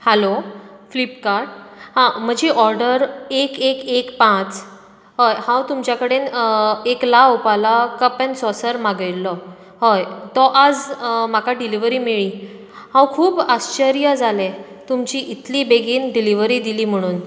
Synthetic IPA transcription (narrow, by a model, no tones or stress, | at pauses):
hɛloflipkaɾɖhãm̤əd͡ʑiːʔɔɾɖəɾekekekpãt͡s | ɦəjhãwt̪umt͡ɕjakəɽeneklaupalakəpɛ̃nsɔsəɾmaɡəjlːɔ | ɦəjt̪ɔʔad͡zmakaɖiliʋəɾiːmiɭiː | hãwkʰuːbaɕt͡ɕəɾijəd͡zalẽ | t̪umt͡ɕiʔit̪ʰliːbeɡiːnɖiliʋəɾiːd̪iliːm̤əɽ̃uːn